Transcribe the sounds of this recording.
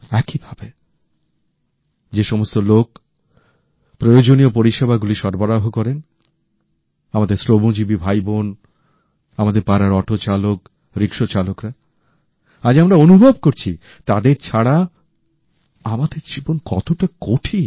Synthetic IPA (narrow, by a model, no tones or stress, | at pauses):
ɛkibʱabe | d͡ʑeʃɔmost̪olok | pɾojod͡ʑoniop̬oɾiʃebʱaɡuliʃɔɾbaɾaɦokɔɾen | amad̪eɾslobod͡ʑibibʱajbon | amad̪eɾpaɾaɾɔʈot͡ɕalok | ɾikʃot͡ɕalokɾa | ad͡ʑamɾaonubʱob̚koɾt͡ɕʰḭ | t̪ad̪eɾt͡ɕʰaɽa | amad̪eɾd͡ʑibonkɔt̪oʈakoʈʰi